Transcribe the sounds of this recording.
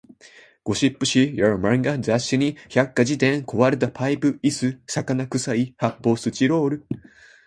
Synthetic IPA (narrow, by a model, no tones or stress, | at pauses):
ɡ̥o̞ɕipːɯ̟ɕijaɾɯmãŋɡazaɕːɨɲ̟içakːad͡ʑit̪ẽ̞ŋko̞βaɾet̪̬apʰaipɯ̟isɨsakanakɯ̟saihapːo̞ːsɨt͡ɕiɾo̞ːɾɯ̟